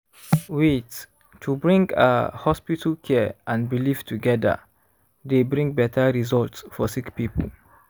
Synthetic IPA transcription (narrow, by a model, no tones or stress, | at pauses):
wit | tʰubɹĩŋɡə̰hɔspitəlkʰɛəʔãnbiliftʰuɡɛdə̰ | debɹĩŋbɛtʰəɹizɔltsfɔsikpipə̰l